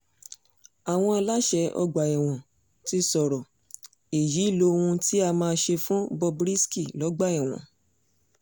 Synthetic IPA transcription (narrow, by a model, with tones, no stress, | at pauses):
a˨w̃ɔ̃˧a˧la˦ʃɛ˧˦ɔ̰˧ɡ͡ba˨ɛ˨w̃ɔ̃˨ | ti˦sɔ˨ɾɔ˨ | e˨ji˨˦˨lo˧o˧ũ˧ti˦a˧mãː˧ʃe˧fũ˦bɔ˧bɾi˦ski˦˨lɔ˨˦ɡ͡ba˦˨ɛ˨w̃ɔ̰̃˨